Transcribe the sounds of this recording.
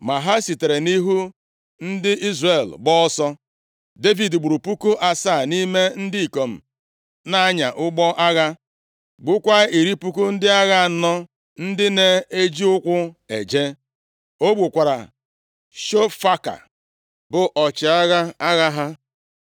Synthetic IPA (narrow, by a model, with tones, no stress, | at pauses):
ma˨ɦa˦si˨te˨ɾe˨ni˦ɦu˦ | n̩˦dɪ˦ʔi˦zre˨lɡ͡bɔ˦ɔ˦sɔ˦ | de˦vi˨dɡ͡bu˨ɾu˨pu˦ku˦ʔa˨sa˦˨ni˦me˦n̩˦dɪ˦i˨ko˨m̩˨ | na˦a˦ɲa̰˨ʔʊ˦ɡ͡bɔ˦ʔa˦ɣa˦ | ɡ͡bʊ˦kʷa˦i˨ɾi˦pu˦ku˦n̩˦dɪ˦a˦ɣa˦˨nɔ˦ | n̩˦dɪ˦ne˦e˦d͡ʒi˦ʊ˦kʷʊ˦ḛ˨d͡ʒe˦ | o˦ɡ͡bʷu˨kʷa˨ɾa˨ | ʃo˦fa˦ka̰˨ | bʊ˨ʔɔ˨t͡ʃɪ˨a˦ɣa˦a˦ɣa˦ɦa˦